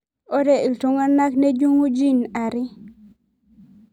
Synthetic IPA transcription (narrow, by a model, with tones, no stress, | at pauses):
o˦de˨i˨lto˦ŋa˦na˦kne˦d͡ʒu˦ŋu˦d͡ʒi˦˨na˨ɾɪ˦